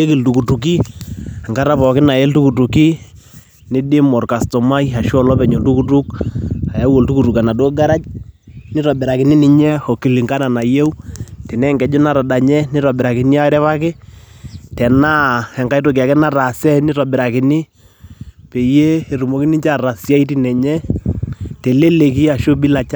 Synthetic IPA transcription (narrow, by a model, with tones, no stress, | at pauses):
e˦ki˨ltu˨ku˨tu˨k̬i˦a˨ŋɡa˦ɾa˦pɔ˨kɪ˦na˨e˦ltu˦ku˨tu˨ki˦ | nɪ˦dɪ˦mɔ˨rka˨stɔ˨ma˦ja˨ʃɔ˦lɔ˦pɛ˨ɲo˨ltu˦ku˦tu˦k̚a˨ja˦wo˨ltu˦ku˨tu˨ka˨na˨do˦ɡa˦ɾa˦t͡ʃnɪ˦ɾɔ˨bɪ˨ɾa˨kɪ˨nɪ˦nɪ˨ɲɛ˦ɔ˨ki˨li˨ŋka˦na˨na˨je˦wtɛ˨nɛ˦ŋɡɛ˨d͡ʒo˦na˨ɾa˨da˨ɲɛ˦nɪ˦ɾa˨bɪ˨ɾa˨kɪ˨nɪ˦a˦ɾɛ˦βa˦kɪ˦ | tɛ˨na˦ɛ˨ŋka˦jto˨ka˨kɛ˦na˦ɾa˨sɛ˦nɪ˦ɾa˨bɪ˨ɾa˨kɪ˨nɪ˦ | pe˨je˦e˨ɾu˨mo˨ki˦nɪ˦ɲt͡ʃa˦ra˨sja˦i˦ti˦nɛ˨ɲɛ˦ | te˨le˦le˨ki˦a˨ʃo˦bi˦la˨t͡ʃ